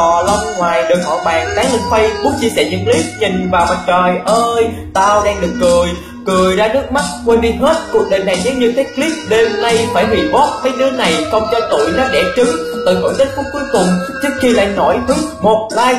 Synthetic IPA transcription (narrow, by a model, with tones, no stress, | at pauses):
ɔ˨˩lə˧wŋ͡mŋwaː˨˩jɗɨ˨˩k̚hɔ̰˧˨ɓaː˨˩ŋt̪aː˨˦ŋli˧ŋfə˧jɓu˦˥k͡p̚t͡ɕi˧sɛ̰˧˩ɲɨ̰˧˥ŋli˦˥p̚ɲï˨˩ŋvaː˨˩wma˨˩t̚t͡ɕəː˨˩jʔəː˧jt̪aː˧wɗaː˧ŋɗɨ˨˩əkːɨ˨˩əj | kɨ˨˩əjzaː˧nɨ˦˥ək̚ma˦˥t̚kwe˧nɗi˧nɦe˦˥t̚kək̚ɗe˨˩jɗa˨˩ŋɲɨ̰˧˥ŋɲɨ˧t̪ʰe˦˥kli˦˥p̚ɗe˧mna˧jfaː˧˩jɦwḭ˧˨ɓɔ˦˥t̚fʰəː˨˦jnɨ̰˨˦əna˨˩jxə˧wŋ͡mt͡ɕɔ˧˩jt̪ṵ˧˩˨jnɔ˨˦ɗɛ˧˩t͡ɕɨ˨˦ŋ | t̪ɨ̰˨˩fə̰ː˧˩nt̪ï˦˥t̚fu˦˥p̚ku˨˦əjkʊ˨˩ŋ͡mt͡ɕɨ˦˥ək̚xi˧la̰ː˧˨jnɔ˧˩jt̪ʰɨ˨˦ŋ̚mo˨˩t̚laː˧j